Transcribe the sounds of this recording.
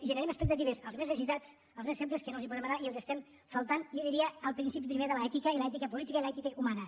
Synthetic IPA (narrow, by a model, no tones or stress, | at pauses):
ʒənəɾɛməspək̚t̪ət̪iβezə̰lˠzmezðəʒit̪at͡s | əlˠzmesfemp̬leskənolzipuðemɐnaiəlˠzəst̪ɛm | fəlˠt̪anliðiɾiəːlˠpɾinsip̬ipɾimeðələɛt̪ikəiləɛt̪ikəpulit̪ikəiləɛt̪ikəumanə